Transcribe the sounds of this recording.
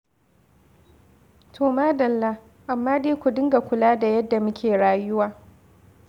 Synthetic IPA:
tʰoː˨maː˦dɐ˨lːa˦ | ʔa˨mːaː˦deː˦kʷu˨dɪ˦ŋɡa˨kʷʊ˨laː˦da˨jɐ˦dːa˨mʊ˦kʲeː˨ɽaː˦jʊ˦waː˨

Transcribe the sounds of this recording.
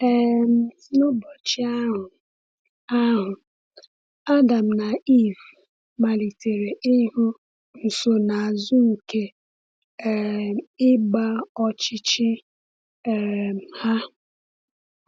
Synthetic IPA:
ɛ˦m̩˦˨˦nʊ˦bɔ˨t͡ʃɪ˦a˦ɦʊ˨ | a˦ɦʊ˨ | a˦da˨m̩˨na˨i˦˨v | ma˨li˨te˨ɾe˨ʔi˦ɦu˦ | n̩˨so˨na˨a˨zʊ˦ŋ̩˨ke˦ | ɪ˦ɡ͡ba˦ɔ˦t͡ʃɪ˦t͡ʃɪ˦ | ɛ˨ha˦

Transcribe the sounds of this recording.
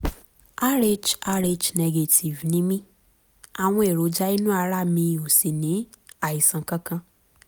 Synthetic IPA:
a˦ɾe˧d͡ʒa˧ɾe˧d͡ʒnɛ˧ɡe˧tʰi˨vnĩ˦mĩ˦ | a˨w̃ɔ̃˧e˨ɾo˨˦d͡ʒa˦i˦nũ˦a˧ɾa˦˨mĩ˧o˨se˨nĩ˨˦ | a˦˨i˨sã˨kã˦kã˧

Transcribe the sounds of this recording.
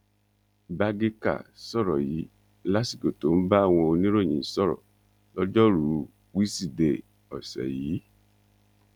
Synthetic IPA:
ba˧ɡe˦ka̰˦˨sɔ˦˨ɾɔ˨ji˨˦ | la˦si˦˨ko˨to˨˦n̩˦ba˦a˦˨w̃ɔ̃˧o˧nĩ˦ɾo˦˨j̃ĩ˨sɔ˦˨ɾɔ̰˨ | lɔ˦d͡ʒɔ˦ɾu˨˦ | wi˦si˦˨de˨ | ɔ̰˨sɛ̰˨jiː˨˦

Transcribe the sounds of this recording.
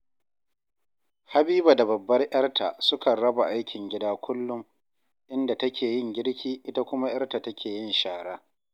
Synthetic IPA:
ha˦biː˦ba˨da˨bɐ˨bːɐ˦rj̰ɐ˦rtʰa˨sʊ˦kɐ˨nɽɐ˦ba˨ʔa˦jkʲɪ˨ŋɡʲɪ˦daː˦kʷʊ˦lːʊ˦m | ʔɪ˦nda˨tɐ˦kʲeː˨jɪ˦ŋɡʲɪ˦ɽkʲʰiː˦ʔɪ˦ta˦kʷʊ˦ma˦j̰ɐ˦rta˨tɐ˦kʲʰeː˨jɪ˦nʃaː˨ɽaː˦

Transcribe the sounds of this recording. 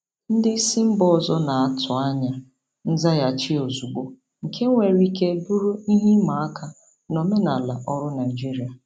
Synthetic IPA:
n̩˦dɪ˦si˦m̩˦bɔ˦ɔ˨zɔ˦na˨a˨tʰʊ˨a˦ɲa˨ | n̩˦za˦ja˨t͡ʃɪ˦o˨zu˨ɡ͡bo˦ | ŋ̩˨kʰe˦ŋ̩˦ŋʷe˨ɾi˦ke˦bu˦ɾu˦i˦ɦi˦ma˨a˦ka˦ | nɔ˨me˦na˨la˨ʔɔ˦ɾʊ˦na˨ɪ˨d͡ʒi˦ɾi˨a˨

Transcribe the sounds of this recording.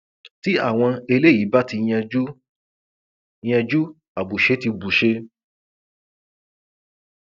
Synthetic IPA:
ti˦a̰˦˨w̃ɔ̃˧e˧le˦jiː˨˦ba˦ti˧jɛ̃˧d͡ʒu˦ | j̃ɛ̃˧d͡ʒu˦ | a˨bu˨ʃe˨˦ti˧bu˨ʃe˧

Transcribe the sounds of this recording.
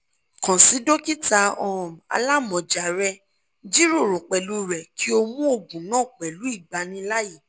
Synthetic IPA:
kɔ̃˨si˨˦do˦ki˦ta˧ɔ˧ɔ̃˨m˨a̰˧la˦mɔ̃˨d͡ʒa˨ɾɛ˧ | d͡ʒi˦ɾo˦˨ɾo˨k͡pɛ˨lu˦ɾɛ˨ki˨˦o˧mũ˦o˧˨bũ˨nãː˦˨k͡pɛ˨lu˨˦i˦˨ɡ͡ba˧nĩ˧la˦ji˦˨

